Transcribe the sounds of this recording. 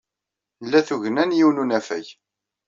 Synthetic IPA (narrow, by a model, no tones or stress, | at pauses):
lːæθuʝənænjiwnunæfæ̰j